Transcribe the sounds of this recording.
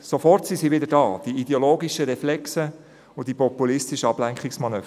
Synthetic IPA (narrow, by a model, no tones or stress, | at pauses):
sofɔrtsisiːʋɪdəɾdɑːd̥iideoloːɡiʃəɾɛflɛksə | ʊnd̥ipɔpulɪstiʃəɑblæŋkχɪksmɑnøː